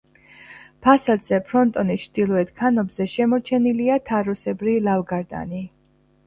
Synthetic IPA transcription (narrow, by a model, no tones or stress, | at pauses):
pʰasad̪z̥ɛpʰɾɔnt̪ʼɔnist͡ʃʰd̪̥ilˠɔɛt̪kʰanɔbzɛʃɛmɔt͡ʃʰɛniliat̪ʰaɾɔsɛbɾilavɡaɾd̪a̰ni